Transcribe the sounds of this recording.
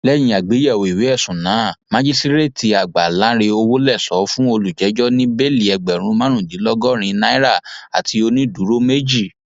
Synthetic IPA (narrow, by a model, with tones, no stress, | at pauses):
lɛ˦j̃ĩ˧a˨ɡ͡be˨˦jɛ˦˨wo˨i˨wi˨˦ɛ˦˨sũ˨nã˨˦˨mã˦d͡ʒi˦si˦ɾe˦˨ti˧a˨ɡ͡ba˨lã˨˦ɾe˧o˧wo˦lɛ˦˨sɔ˨˦fũ˦o˧lu˨d͡ʒɛ˨˦d͡ʒɔ˦nĩ˦be˦˨li˦˨ɛ˧˨ɡ͡bɛ˨ɾ̃ũ˧˦mã˦ɾ̃ũ˦˨di˨˦lɔ˦ɡɔ˦ɾ̃ĩ˧nã˦i˦ɾa˦˨a̰˨tʰi˧o˧nĩ˦du˨˦ɾo˦me˦d͡ʒi˦˨